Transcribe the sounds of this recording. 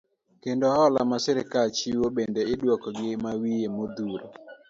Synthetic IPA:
kendohɔlamasɛɾɪkalt͡ʃiwobendeɪdwɔkɔɡɪmawiemod̪uɾo̰

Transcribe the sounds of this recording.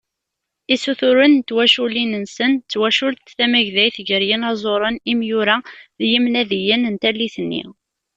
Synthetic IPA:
isuθʊɾənt̪ːwæʃulinənsənt͡sːwæʃʊɾt̪θæmæʝðæjθʝəɾjənæzˤoɾˤənimjʊɾæðjimnæðijənənt̪ælːiθənːḭ

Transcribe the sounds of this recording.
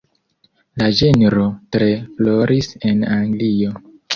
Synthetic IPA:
lad͡ʒeneɾo̞tɾe̞flo̞ɾisenaŋɡlio̞

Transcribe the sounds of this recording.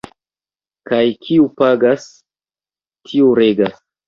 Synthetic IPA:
kajkʰiupaɡas | tʰiuɾeɡas

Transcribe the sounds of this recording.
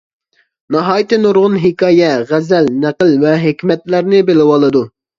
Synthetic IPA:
nɑɦɑːjit̪ɨnoɾʁʊnɦɪkɑːjɛʁæzɛlnæqəlvɛɦekʲmɛt̪læɾnɪbelɪwɑlˠɨd̪u

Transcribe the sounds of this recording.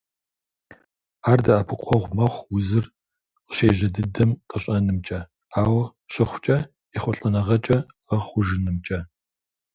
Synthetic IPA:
aːrdɐɐpʰɨqʷʼɔʁʷmɐχʷwʊzɨr | qɕeːʑɐdɨdɐmqʼɐɕʼɐnɨmt͡ʃʼɐ | aːwɐ | ɕɪχʷʊt͡ʃʼɐ | iχʷʊɬʼɐnɐʁɐt͡ʃʼɐ | ɐχʷʊʒɨnɨmt͡ʃʼɐ

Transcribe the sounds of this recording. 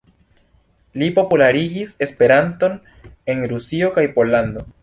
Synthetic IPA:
lipo̞pulaɾiɡise̞spe̞ɾanto̞n | e̞nɾusio̞kajpo̞lando̞

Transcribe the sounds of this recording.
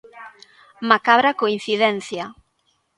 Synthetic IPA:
makaβɾakoin̟θiðɛnθja

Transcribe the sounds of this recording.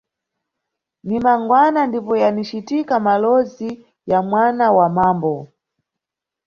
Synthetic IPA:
nimaŋɡwanandipɔjanit͡ʃitikamalɔzi | jamwanawamaːmbɔ

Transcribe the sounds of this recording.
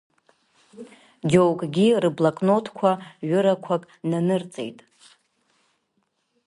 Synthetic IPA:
d͡ʒowkʼɡʲirɨblakʼnotʰkʷʰaɥʊɾakʷʰakʼnanɨrt͡sʼḛjtʼ

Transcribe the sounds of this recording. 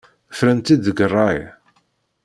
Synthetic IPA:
fɾænt̪id̪əɡərˤːɑj

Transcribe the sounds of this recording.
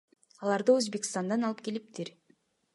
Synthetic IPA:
ɑlˠɑɾd̪ɯøzbekʲɪ̥st̪ɑnd̪ɑnɑlˠɯp̚ke̞lip̚t̪iɾ

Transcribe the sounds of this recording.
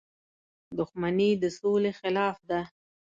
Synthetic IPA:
d̪ʊxmanid̪əsolexɪlɑfd̪a

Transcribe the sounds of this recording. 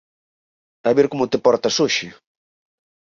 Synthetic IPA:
t̪aβeɾkomʊt̪ɪpɔɾt̪ɐsoʃɪ

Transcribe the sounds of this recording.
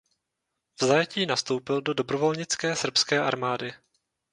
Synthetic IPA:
vzajɛciːnast̪o̞wpɪldo̞do̞bɾo̞vo̞lɲɪt͡skɛːsr̩pskɛːʔaɾmaːdɪ

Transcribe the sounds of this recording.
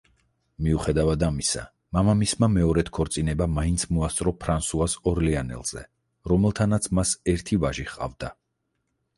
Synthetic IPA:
miuχɛd̪avad̪amisa̰ | mamamismamɛɔɾɛt̪ʰkʰɔɾt̪sʼinɛbamaint̪sʰmuast̪sʼɾɔpʰɾansuasɔɾlianɛ̰lˠz̥ɛ̰ | ɾɔmɛlˠt̪ʰanat̪sʰmasɛɾt̪ʰivaʒiχqʼa̰vd̪a

